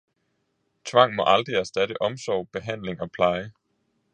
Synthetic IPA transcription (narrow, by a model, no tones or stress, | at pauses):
t͡sʰʋɑ̈ŋ̰mɒ̽ʔɑ̈ld̥ʁiæɐsd̥æɾ̥əʔɒ̽msɒʊb̥e̝ɦæn̰le̝ŋɒ̽pʰlɑ̈ɪə